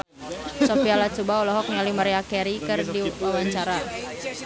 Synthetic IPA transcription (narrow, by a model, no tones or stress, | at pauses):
sɔpialat͡ʃubaɔlɔɦɔk̚nialimaɾiakɛɾikɨrdiwawaɲt͡ʃaɾa